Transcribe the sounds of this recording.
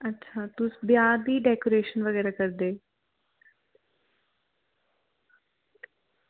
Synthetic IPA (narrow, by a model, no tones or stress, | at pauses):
ətːʃʰaːt̪ʊsbjaːd̪iːɖɛːkoːɾeːʃənʋəɣɛːɾaːkəɾd̪eː